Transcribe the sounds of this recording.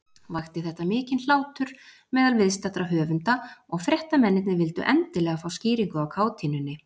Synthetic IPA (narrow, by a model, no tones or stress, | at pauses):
vaxt̪ɪθɛht̪ːamɪːcɪnl̥aːwt̪ʏɾ̥ | mɛːðalvɪðst̪at̪ɾaɦœːvʏnt̪aɔɣfɾjɛht̪amɛnːɪt̪nɪvɪlt̪ʏ̰ʔɛnt̪ɪlɛːɣafawsciːɾiŋkʏawkʰaːwt̪ʰiːnʏnːɪ